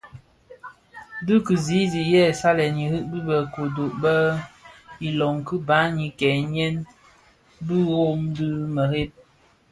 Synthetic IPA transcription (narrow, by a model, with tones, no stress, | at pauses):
dɨ˦kɨ˨zi˨˦zi˨ʔjɛ˦˨sa˦lɛ˨ɲi˨hɨ˦ʔbi˦bə˨ko˨do˨ʔbə˦ | i˨lɔ˨ŋkɨ˦ba˨˦ɲi˨kɛ˨ɲɛ˦n | bɨ˦ɣo˦mdɨ˦mə˨ɾe˦p̚